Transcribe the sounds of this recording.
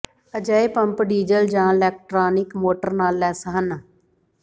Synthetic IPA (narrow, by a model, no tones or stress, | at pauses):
əd͡ʒaːeːpəmpɖiːd͡ʒəld͡ʒãːɪlɛːk̚ʈɾaːnɪkmoːʈəɾnaːlɛːsəɦənaː